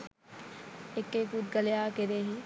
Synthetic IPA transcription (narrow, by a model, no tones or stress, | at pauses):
ekːekud̪̚ɡɐlejaːkeɾeːɦi